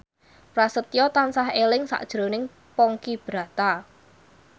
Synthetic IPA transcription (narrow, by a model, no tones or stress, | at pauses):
pɾasət̪ijɔt̪ansaɦelɪŋsa̰ʔd̥ʒ̥ɾo̤nɪŋ | pɔŋkib̥ɾa̤t̪a